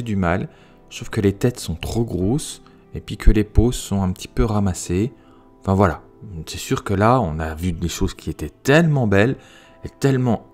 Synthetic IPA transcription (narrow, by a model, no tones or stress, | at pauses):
ed̪ymal | sovkəlet̪ɛt̪sɔ̃t̪χoɡʁos | epɥikʰəleposɔ̃ɛ̃pət̪ʰi̥pøʁamase | ɑ̃fɛ̃vwala | sɛsyʁkəlaɔ̃navyd̪eʃozkʲiet̪ɛt̪ɛlmɑ̃bɛl | et̪ɛlmɑ̃